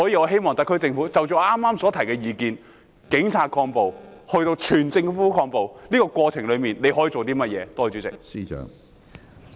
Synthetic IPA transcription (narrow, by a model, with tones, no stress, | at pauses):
sɔ˨˥jiː˧ɔː˨˧ɦe˥jmɔː˨ŋt̪ɐ˥kʰːɵ˥jt͡sɪ˧ŋfuː˨˥t͡sɐ˨wt͡ʃɔ˨˧ʔaː˥mːaː˥msɔː˨˥t̪ʰɐ˨˩jkɛː˧jiː˨˧kiː˨n | kɪ˨˥ŋt͡sʰaː˨˧t̚kʰɔː˧ŋpo˨whɵ˧ɥt̪o˧wt͡ʃʰyː˨˩nt͡sɪ˧ŋfuː˨˥kʰɔː˧ŋpo˨wliː˥kɔː˧kwɔː˧t͡sʰɪ˨˩ŋlɵ˨˧ɥmiː˨˩nle˨˧jhɔː˨˥jiː˨˧t͡so˨wt̪̬iː˥mɐ˥t̚jɛ̰ː˨˧t̪ɔː˥t͡ʃyː˨˥t͡sɪ̰˨˩k̚siː˥t͡ʃœ̰ː˨˥ŋ